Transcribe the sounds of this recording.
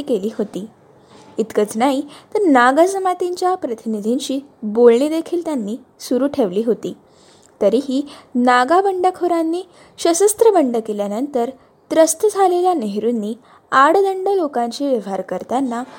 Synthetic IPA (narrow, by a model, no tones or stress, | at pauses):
keliːɦot̪iː | it̪kət͡snaɦit̪əɾnaɡasəmat̪iɲt͡ɕjapɾət̪inid̪ʱiɲt͡ɕiːbolɳiːd̪ekʰiːlt̪janːiː | suɾuːʈʰeʋliːɦot̪iː | t̪əɾiːɦiːnaɡabəɳɖəkʰoɾanːiː | ɕəsəst̪ɾəbəɳɖəkeljanənt̪əɾ | d̪̥ɾəst̪əd͡zʱaleljaneɦɾunːiː | aɽd̪əɳɖəlokãɲt͡ɕiːʋjəʋɦaɾkəɾt̪anːa